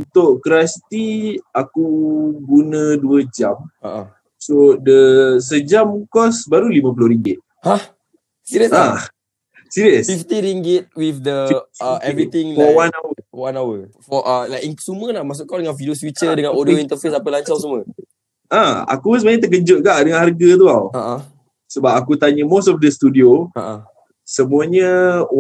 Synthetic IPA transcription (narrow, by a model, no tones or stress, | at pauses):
unt̪ʊʔkɾasi̥t̪iakuɡunə̃duəd͡ʒamaʔa̰ | sodəs̬əd͡ʒamkɔsbaɾulimãp̬ulʊhɾiŋɡɪt̪̚ | ha | siɾəã | siɾiəsfift̪iɾiŋɡɪt̪̚wifd̪əəɛvɾiĩŋɔwanawəwanawəfɔʔəlaisuməlahmas̬ʊʔkawdəŋãnfidioswit͡ʃədəŋãnodoĩnt̪əfesapəlaɲt͡ʃawsumə | ʔãa̰kusəmaɲə̃t̪ək̬əd͡ʒʊt̪̚ɡaʔdəŋanharɡət̪̬uawaʔã | səbap̚akut̪aɲəmostɔfdəst̪udioaʔã | səmũəɲə